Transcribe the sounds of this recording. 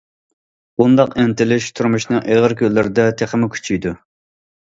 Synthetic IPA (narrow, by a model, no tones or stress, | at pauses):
und̪ɑqɪnt̪ɪlɪʃt̪ʰuɾmuʃnɨŋʔeʁəɾkʲʰølːɪɾɪd̪ɛt̪ʰeχəmɪkʲʰy̥t͡ʃʰyjd̪u